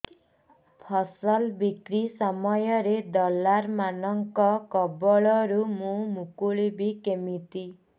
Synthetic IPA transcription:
pʰɔsɔlbikɾisɔmɔjɔɾed̪ɔlːaɾmanɔŋkɔkɔbɔɭɔɾumũmukuɭibikemit̪i

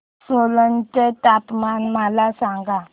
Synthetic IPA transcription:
solənt͡ɕet̪apmanmalasãŋɡa

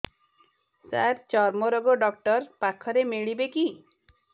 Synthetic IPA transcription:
saɾt͡ʃɔɾmɔɾɔɡɔɖɔkʈɔɾpakʰɔɾemeɭibeki

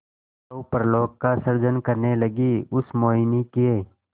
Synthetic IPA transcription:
ɐupɾloːk̚kasəɾd͡ʒənkəɾneləɡiʊsmoːɪnikieː

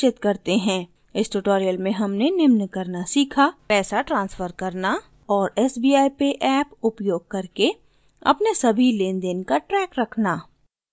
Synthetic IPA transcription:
ɪt̪kɐɾt̪eɦɛ̃ː | ɪsʈʊʈoːɾijəlmẽɦɐmnenɪmnkɐɾnasiːkʰapɛːsaʈɾãːnsfəɾkɐɾna | ɔːɾɛːsbiːaːipeʔɛːpʊpjoːɡ̚kɐɾke | ɐ̰pnesɐbʱileːnd̪eːnkaʈɾɛːkɾɐkʰnaː

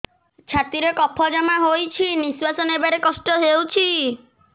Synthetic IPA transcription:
t͡ʃʰat̪iɾekɔpʰɔd͡ʒamaɦojt͡ʃʰiniswasɔnebaɾekɔsʈɔɦewt͡ʃʰi

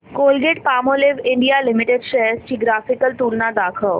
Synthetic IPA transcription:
koːlɡeʈpaːmoːlɪʋɪ̃ɳɖijalɪmɪʈeɖʃɛst͡ɕiːɡɾaːfɪkəlʈuːlnad̪aːkʰəʋ

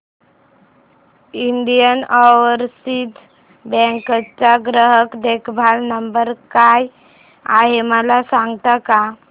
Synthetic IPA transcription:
iɳɖijənɔʋəɾsit̪ | bɛ̃ŋkət͡saɡɾəɦəkd̪ekʰbʱalnəmbəɾkaj | aɦeməlasãŋɡʱt̪aka

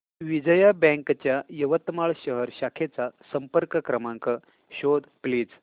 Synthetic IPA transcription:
ʋid͡zəjabɛ̃ŋkt͡ɕjajəʋət̪maɭɕəɦəɾɕakʰet͡sasəmpəɾkəkɾəmaŋkə | ɕod̪pliːd͡z

